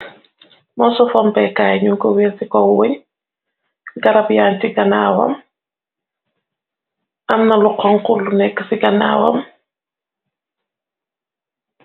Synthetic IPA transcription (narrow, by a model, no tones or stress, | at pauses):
mɔsɔfɔmpɛkaːjɲuŋkɔwesikɔweɲ | ɡaɾabjaːntiɡana̰ːwa̰m | amnaluqɔŋkulːunɛkːsiɡana̰ːwa̰m